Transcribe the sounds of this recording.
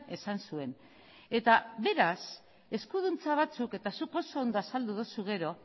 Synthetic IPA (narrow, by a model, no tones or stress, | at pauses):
e̞sansue̞n | e̞t̪aβe̞ɾas | e̞skuðunt͡saβ̞at͡suke̞t̪asuko̞so̞ːnd̪oasald̪uðusuɣ̞e̞ɾo̞